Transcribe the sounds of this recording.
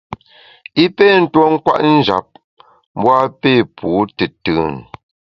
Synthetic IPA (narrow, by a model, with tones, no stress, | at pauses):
i˦pe˦˨n̩˦two˦ŋ̩˦kwa̰˦˨ʔn̩˦d͡ʒa̰˨p̚ | m˦bwa˦pe˦˨pʰuː˨˦tɨ˨tɯ˨n